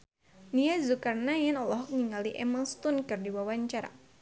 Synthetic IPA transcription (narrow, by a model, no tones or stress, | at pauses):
niazukarnajanɔlɔɦɔk̚ŋiŋaliʔɛmast̪ʊnkɨrdiwawaɲt͡ʃaɾa̰